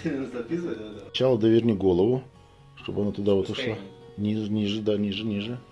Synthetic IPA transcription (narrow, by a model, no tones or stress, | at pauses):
t͡ɕalˠəd̪əvʲerʲnʲɪɡo̞lˠəvʊ | ʂt̪o̞bɐnat̪ʊd̪avot̪ʊʂlˠanʲiʐnʲiʐɨd̪anʲiʐɨnʲiʐɨ